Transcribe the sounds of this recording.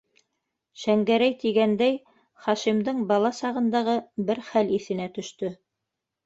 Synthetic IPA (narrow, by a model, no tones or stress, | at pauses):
ʃæŋɡæɾæjt̪iɡænd̪æj | χɑʃimd̪ɤɴbɑlˠɑsɑʁɤ̆nd̪ɑʁɤbɘɾχæliθɘ̆næt̪ɵ̆ʃt̪ɵ